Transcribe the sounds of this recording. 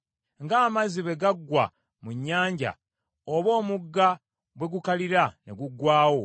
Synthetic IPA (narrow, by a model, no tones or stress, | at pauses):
ŋɡaːmaziβe̞ɡaɡːwa | muɲːaːɲɟa̰ | oβo̞ːmuɡːa | bwe̞ɡukaliɾaneɡuɡwaːwo̞